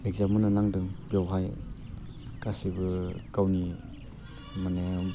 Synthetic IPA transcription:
ek̚zamɯnanaŋdɯŋpjawɦaj | kasibɯkawni | manam

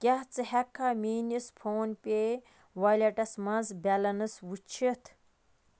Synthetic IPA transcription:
kʲaht͡sɨhɛkʰːamiːnispʰoːnpʲe | ʋɐlʲɐʈɐsmɐzbʲɐlɐnɨswut͡ʃʰit̪ʰ

